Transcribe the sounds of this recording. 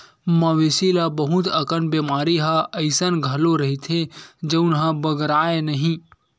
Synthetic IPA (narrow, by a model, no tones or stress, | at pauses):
mɐʋesilabɐɦʊt̪ɐkənbeːmaːɾiɦaɐɪsənɡʱɐloɾɐɦit̪ʰed͡ʒɐʊnɦãbəɡɾaːenɐɦĩ